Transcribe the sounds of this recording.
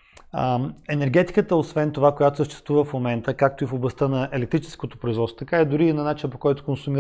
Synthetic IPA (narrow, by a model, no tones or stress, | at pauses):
ɛnɛɾɡ̟ɛt̪i̥kət̪əosvɛnt̪ovakojat̪osəʃt̪ɛ̥st̪vuvəfmomɛnt̪əkak̚t̪oifoblˠɐst̪ənɐʔɛlɛkt̪ɾit͡ʃɛ̥skot̪o̥pɾoizvɔt̪sot̪kaid̪ʊɾiːnɐnat͡ʃinəpokɔjt̪ʊ̥konsʊmi